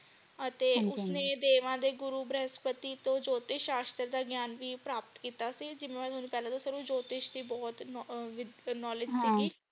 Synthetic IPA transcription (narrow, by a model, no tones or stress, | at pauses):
ət̪eːʊsnẽːd̪eːʋãːd̪eːɡʊɾuːbɾɛːspət̪iːt̪õːd͡ʒoːt̪ɪʃaːst̪əɾd̪aːɡjaːnʋiːpɾaːpət̪kiːt̪aːsiːd͡ʒɪmẽːmɛ̃ːt̪ʰoːnũːpɛːlãːt̪õːsəɾũːd͡ʒoːt̪ɪʃd̪iːbɔːt̪ʋɪnɔːlɪd͡ʒsiːɡiː